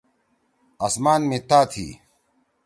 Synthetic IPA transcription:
ɐsmaːnmit̪aːt̪ʰḭː

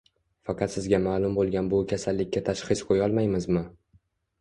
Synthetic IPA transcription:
fɑqʰɑt̪sɪzɡʲamaːlˠʊmbolˠɡʲanbʊkʲʰasalːɪkʲːat̪ʰaʃχɨsqʰojɒlˠmajmɪzmɪ

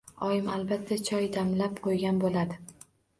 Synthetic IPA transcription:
ɒjɪmalbat̪ʰːat͡ʃʰɒjd̪amlapqʰojɡʲanbolad̪ɪ

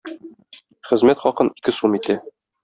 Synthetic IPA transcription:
χɘ̆zmæt̪χɒqɤnikɘsumit̪æ

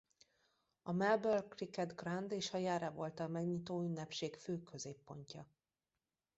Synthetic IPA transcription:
ɒmɛlbølkrikɛd̪ɡrand̪eːʃhɒjaːɾɛvo̞lt̪ɒmɛɡɲit̪oːynːɛpʃeːkføːkʰø̞zeːpːo̞ɲcɒ

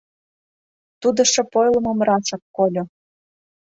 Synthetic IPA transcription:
t̪ud̪ɤ̆ʃĕpojlˠɤ̆mɤ̆mrɑʃɑkkːolʲŏ

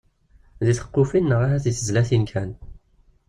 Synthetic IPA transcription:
ðiθə̥qːʊfinːəʁaɦæθiθəzlæθinkʰæn

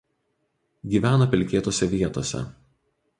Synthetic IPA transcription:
ɡʲiːʋʲæːnopʲɪlʲkʲeːt̪oːsʲɛʋʲiɛt̪oːsʲɛ̰

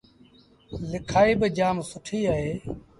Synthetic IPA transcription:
lɪkʰaːiːbɪd͡ʒaːmsʊʈʰiːaːɦeː

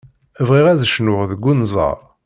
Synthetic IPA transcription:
əvʁiʁæðəʃnʊʁðəɡʷːunzˤɑ̰ʁˤ

